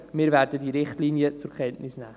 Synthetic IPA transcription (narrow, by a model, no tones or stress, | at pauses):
mɪːɾvæːɾdədiɾɪχtliːnjət͡sʊɾkχɛntnɪsnæː